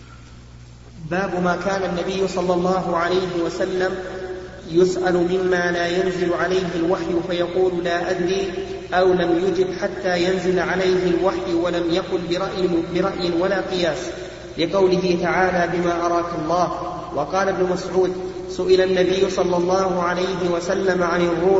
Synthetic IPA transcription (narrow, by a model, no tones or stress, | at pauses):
baːbʊmaːkaːnanːabɪjːʊsˤɑlːɑlˤːɑːɦʊʕalajɦɪwasalːam | jʊsʔalmɪmːaːlaːjanzɪlʕalajɦɪlwaħjʊfajɑquːllaːʔad̪ɾiː | ʔawlamjʊd͡ʒɪd̪ħat̪ːaːjanzɪlʕalajɦɪlwaħjwalamjakʊlbɪɾɑʔbɪɾˤɑʔjɪnwalaːqɨjaːs | lɪqɑwlɪɦɪt̪aʕaːlaːbɪmaːʔɑɾˤɑːkɑlˤːɑːh | wʔɑqɑːlaʔabnʊmasʕuːd̪ | sʊʔɪlanːabɪjːʊsˤɑlːɑlˤːɑːɦʊʕalajɦɪwasalːamʕanɪrːuː